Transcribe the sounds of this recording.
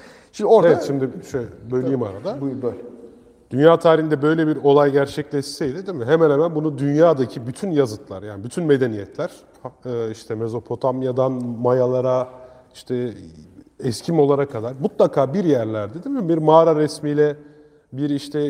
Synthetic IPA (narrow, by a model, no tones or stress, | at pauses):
ʃimoevɛʃimd̪ɪʃøbøjlʲejimaɾad̪aøɛ | d̪̥ynjaːt̪ʰaːɾihind̪ɛbø̞jlʲɛbiɾo̞lˠajɟæɾt͡ʃʰɛclʲɛt͡ʃsɛjd̪id̪emɪɦemæɛnhemænbunud̪ynjaːd̪acʰibyt̪ʰynjazɯt̪lˠa̰ɾjaːnɪbyt̪ʰynme̞d̪e̞nijɛt̪ʰlʲæɾ̥ | ɯːiʃt̪ʰɛme̞zo̞pʰo̞t̪ʰamjad̪anmajalˠaɾa | iʃt̪ʰɛ | ɛscʰimo̞lˠaɾakʰːad̪aɾmut̪lˠakʰaːbiɾjæɾlʲæɾd̪ed̪imd̪imbiɾmaːɾaɾɛsmiːlʲɛ | biɾiʃt̪ʰɛ